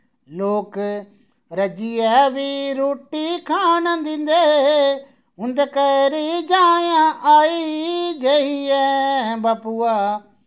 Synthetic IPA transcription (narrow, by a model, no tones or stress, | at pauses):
loːk | ɾɐd͡ʒiːɛːʋiɾoːʈikʰaːnd̪ɪ̃nd̪eɦeɦe | ʊ̃nd̪kəɾid͡ʒaːjãʔaːid͡ʒeːɦiɛɦbapuːaː